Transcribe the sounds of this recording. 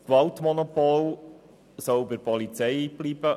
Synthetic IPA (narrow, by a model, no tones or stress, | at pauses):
kʋɑltmɔnɔpol | sɔʊbɪɾpɔlit͡sɛɪb̥liːb̥ə